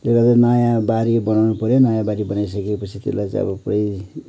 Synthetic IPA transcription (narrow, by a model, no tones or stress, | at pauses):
t̪ekad͡zʌnajabaɾibʌnawnupʌɾjonajabaɾibʌnajsʌkepʌt͡sʰit̪ḛlajt͡sʌ̰bʌpuɽʌj